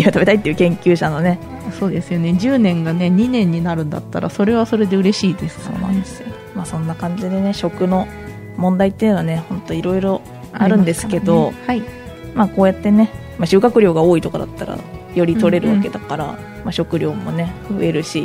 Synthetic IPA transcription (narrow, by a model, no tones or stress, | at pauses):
iat̪abe̞t̪ait̪ːeiɯ̟kẽ̞ŋkʲɨːɕano̞ne̞ | so̞ːd̪e̞sɨjo̞ne̞d͡ʑɨːnẽ̞ŋɡane̞ɲ̟inẽ̞ɲ̟ːinaɾɯ̟̃nd̪a̰t̪ːa̰ɾa̰so̞ɾe̞β̞aso̞ɾe̞d̪e̞ɯ̟ɾe̞ɕiːd̪e̞sɨ̥so̰ːnã̰nd̪eso | maːsõ̞nːakãɲ̟d͡ʑid̪e̞ne̞ɕo̞kɯ̟no̞ | mõ̞nd̪ait̪ːejɯ̟nanehõ̞nt̪o̞iɾo̞iɾo̞ | aɾɯ̟̃nd̪e̞sɨ̥ke̞d̪o̞hai | maːko̞ːjat̪ːe̞ne̞ | maɕɨːkakɯ̟ɾʲo̞ːɡao̞ːit̪o̞kad̪at̪ːaɾa̰ | jo̞ɾʲit̪o̞ɾe̞ɾɯ̟βake̞d̪akaɾa̰ | maɕo̞kɯ̟ɾʲo̞ːmo̞ne̞ɯ̟e̞ɾɯ̟ɕi